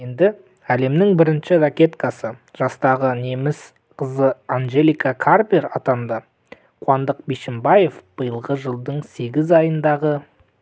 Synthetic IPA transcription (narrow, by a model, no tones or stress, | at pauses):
end̪ɪ | æle̞mnɪŋbɪɾɪnʃɪɾakʲe̞t̪kɑsəʒ̥ɑst̪ɑʁəne̞mɪs | qʰəzəanʒe̞lʲijkakʰarpʲeɾɑt̪ɑnd̪ə | qʰʊɑnd̪əq̚biʃɪmbaje̞fb̥əjəlˠʁəʒəlˠd̪əɴse̞ɡʲɪzɑjənd̪ɑʁə